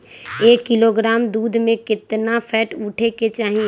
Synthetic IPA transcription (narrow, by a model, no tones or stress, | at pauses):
eːkːɪloːɡɾaːmd̪uːd̪ʱmẽkɪt̪napʰɛːʈʊʈʰeket͡ʃaːɦĩ